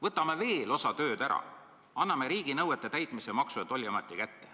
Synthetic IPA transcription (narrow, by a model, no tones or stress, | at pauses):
vɤt̪ːˑɑmeve̞ːlo̞sɑt̪ø̞ːd̪æɾɑ̰ | ɑnːɑme̞ɾiːɡ̥inɤwet̪ːˑet̪æjt̪ˑmisemɑksuet̪ːˑo̞lʲːiɑmɑt̪ːˑikæt̪ːe̞